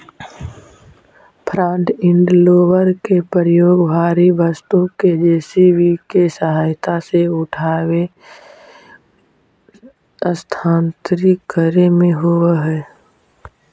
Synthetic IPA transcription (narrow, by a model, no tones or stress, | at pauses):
pʰɾãːɳʈɪ̃ɳɖloːʋəɾkepəɾjoːɡbʱaːɾibəst̪õked͡ʒeːsiʋikesəɦaːjt̪ʰaseʊʈʰaːʋe | əst̪ʰãːnt̪ɾikəɾemẽɦoeɦɛː